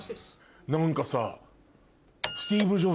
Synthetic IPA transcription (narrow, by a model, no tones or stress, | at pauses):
nãŋkasa̰ | sɨ̥t̪ʲiːbɯʑo